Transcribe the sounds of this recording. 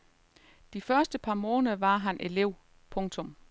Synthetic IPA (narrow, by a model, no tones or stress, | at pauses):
d̥ifɶɐsd̥əpʰɑ̈mɔ̽ːnðʋɑ̈ɦænʔe̝le̝ʊ̰ | pʰɔ̽ŋt͡sʰɔ̽m